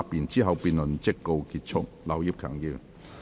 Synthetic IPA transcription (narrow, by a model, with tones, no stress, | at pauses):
a˧˥pi˨˩nt͡ɕiː˦˥ɦɐ˨˧wpi˨˧nlʊ˨˩nt͡ɕe˥kːo˧wki˨˧t̚t͡sʰʊ̰˥k̚la˨˧wji˦˥p̚kʰa̰˨˩˦ŋji˧˨